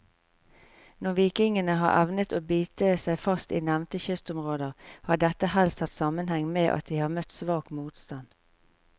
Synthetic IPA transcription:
nɔʁʋiːkɪŋənəɦɑ̰ːʁʔæʋnət̪oːbyːt̪əsæɪfɑst̪iːnæʋnt̪əçʏst̪ʊmʁoːd̪əʁhɑːɖɛt̪əhɛlst̪ʰɑt̪sɑmənhɛŋmeːʔɑ̰t̪̚d̪iːhɑːʁmœt̪sʋɑːkmuːt̪st̪ɑn

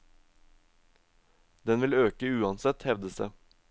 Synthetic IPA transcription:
d̪ɛnʋɪløːkəʉːɑnsɛt̪hɛʋd̪əsə̰

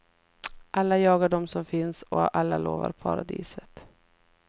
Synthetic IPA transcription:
ʔalːajɑːɡaɖɔmsɔmfɪnsɔʔalːaloːva̰ɾpʰa̰ɾad̪ḭːsət̪

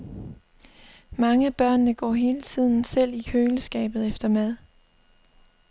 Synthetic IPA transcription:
mɑ̈ŋəæb̥ɶɐ̰nːəɡ̥ɒ̰ːɦe̝ːlət͡sʰið̞̰ˠn̩sel̰ikʰøːləsɡ̥ɛ̰ːb̥ð̩ˠefd̥ɐmæð̞ˠ

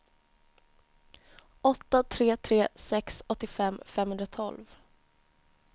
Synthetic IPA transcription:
ɔt̪ːat̪ʰɾeːt̪ʰɾeːsɛksɔt̪ːɪfɛmːfɛmhɵnd̪ɾat̪ʰɔlv

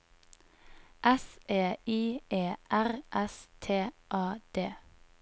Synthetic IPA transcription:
ʔɛsʔeːiːeːʔæʁʔɛst̪ʰeːʔɑːd̪̥eː

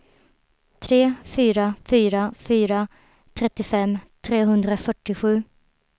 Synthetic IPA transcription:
t̪ʰɾeːfyːɾafyːɾafyːɾa | t̪ʰɾɛt̪ːɪfɛmːt̪ʰɾeːɦɵnd̪ɾafœʈːɪɧʉ̟ː

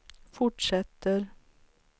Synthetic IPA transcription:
fɔʈʂɛt̪əɾ

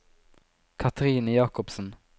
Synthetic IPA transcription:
kʰɑt̪ʰɾiːnəjɑːkɔpsən

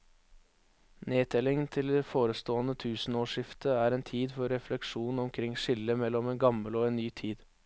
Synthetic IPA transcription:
neːt̪ʰɛlɪŋnt̪ʰɪld̪ɛfoːɾəst̪oːənət̪ʰʉːsnoːʂɪft̪ʰəæːɾeːnt̪ʰiːd̪fɔɾːɛflɛkʂuːnn̩ɔmkʰɾɪŋʂɪlːəmɛlːɔmeːnɡɑməloːeːnnːyːt̪ʰiːd̪

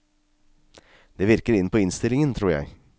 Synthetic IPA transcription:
d̪̥eːʋɪɾkəɾɪnːəpʰɔːɪnst̪ɪlɪŋənt̪ʰɾuːɾjæ̰ɪ

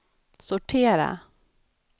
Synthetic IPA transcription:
sʊʈʰeːɾa̰

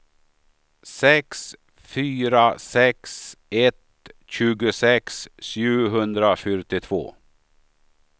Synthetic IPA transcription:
sɛks | fyːɾasɛksɛt̪ | ɕʉ̟ːɡʊsɛksɕʉ̟ːɦɵnd̪ɾafœʈɪt̪ʰvo̰ː

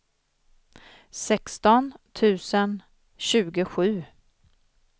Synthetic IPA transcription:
sɛkst̪ɔnt̪ʰʉ̟ːsən | ɕʉ̟ːɡəɧʉ̟ː

